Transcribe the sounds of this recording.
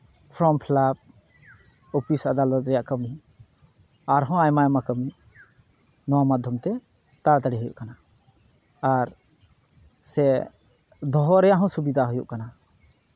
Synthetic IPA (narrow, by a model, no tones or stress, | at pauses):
pʰɾɔmpʰlab̚ | opʰisad̪alɔt̪̚ɾɛjaʔkəmi | aɾɦɔ̃ajmajmakəmi | nɔwamad̪ʱjɔmt̪ɛ | t̪at̪aɽiɦujṵʔkanaː | ɾ | sɛ | d̪ʱɔɦɔɾɛjaʔɦɔ̃subid̪ʱaɦujṵʔkana